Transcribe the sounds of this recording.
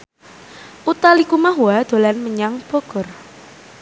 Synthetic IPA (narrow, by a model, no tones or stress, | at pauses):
ʔut̪alikumaɦuad̪̥o̤lanməɲaŋb̥oɡ̥ʊr